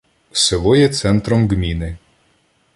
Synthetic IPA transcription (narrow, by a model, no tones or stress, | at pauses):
sɪlˠɔjɛt̪sɛnt̪ɾɔmɡmʲinɪ